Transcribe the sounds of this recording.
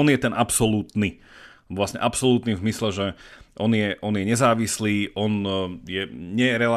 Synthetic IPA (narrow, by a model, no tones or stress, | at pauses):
ɔnjɛt̪ɛnʔapsɔluːt̪ni | ʋlasɲɛ̰ʔapsɔluːt̪nimzmislɛʒɛʔɔnɪjɛʔɔnɪjɛɲɛzaːʋisliːʔɔnjɛɲɛɾɛla